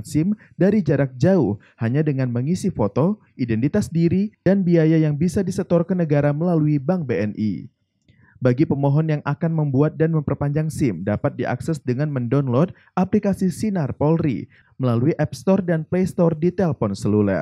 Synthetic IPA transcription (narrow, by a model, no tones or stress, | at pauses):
sɪm | daɾid͡ʒaɾak̚d͡ʒauh | haɲadəŋanməŋisifot̪o | ʔidɛnt̪it̪asdiɾidanbiajajaŋbisadisət̪ɔrkənəɡaɾaməlaluibaŋbeɛnʔḭ | baɡipəmɔɦɔnjaŋakanməmbuat̪̚danməmpərpaɲd͡ʒaŋsɪmdapat̪̚diʔa̰ksɛsdəŋanməndɔnlɔd̚ | aplikasisinarpɔlɾḭ | məlaluiʔɛpst̪ɔrdanplest̪ɔrdit̪ɛlpɔnsəlulə̰r